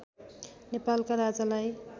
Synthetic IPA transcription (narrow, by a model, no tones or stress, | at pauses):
nepalkaɾad͡zalaj